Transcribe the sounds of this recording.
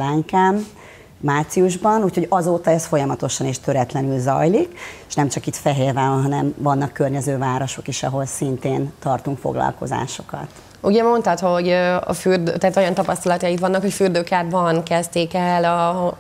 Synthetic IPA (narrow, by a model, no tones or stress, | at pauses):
laːŋkaːmː | aːrt̪siuʒbɒnuːcʰho̞ɟɒzoːt̪ɒɛst̪fo̞jɒmɒt̪o̞ʃɒneːʃt̪øɾɛt̪lɛnylzɒ̰jlikeʃnɛmt͡ʃɒkit̪fɛɦeːrvaːonɦɒnɛmvɒnːɒkːørɲɛzøːvaːɾo̞ʃo̞kiʃɒɦo̞lsint̪eːnt̪ɒrt̪uŋkfo̰ɡlɒ̰lko̞̰za̰ːʃo̞kɒ̰t̪ | uɟɛmo̞nt̪ɒt̪ho̞ɟɒ̰fyrd̪øt̪ɛɦːt̪ojɒnt̪ɒpɒst̪ɒlɒt̪ɒjikʋɒnːɒkho̞cfyːrd̪øːkaːd̪bɒnkɛst̪eːkɛlɒ